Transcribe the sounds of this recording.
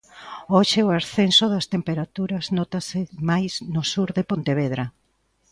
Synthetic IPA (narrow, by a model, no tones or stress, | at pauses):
oʃɪoaɾθensʊðɐst̪empeɾat̪uɾɐznɔt̪asɪmajsnʊsuɾðepont̪eβ̞eðɾa